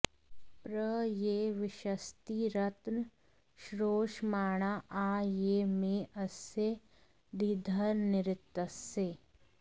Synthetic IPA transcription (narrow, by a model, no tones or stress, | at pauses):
pɾəjeːʋɪʃəst̪iɾɐt̪n | ʃɾoːʃmaːɳ̃aʔaːjeːmẽʔɐse | d̪id̪ʱəɾnɪɾɪt̪ːəse